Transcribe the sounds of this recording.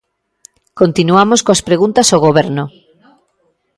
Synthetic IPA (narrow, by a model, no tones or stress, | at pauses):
kont̪inuamoskoaspɾeɣunt̪asoɣ̞oβ̞ɛɾno